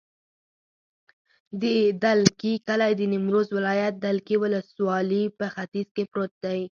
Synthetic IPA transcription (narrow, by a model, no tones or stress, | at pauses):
d̪əd̪alkikəlajd̪ənɪmɾozwɪlɑjat̪̚d̪alkiwʊləswɑlipəxat̪izkepɾot̪̚d̪aj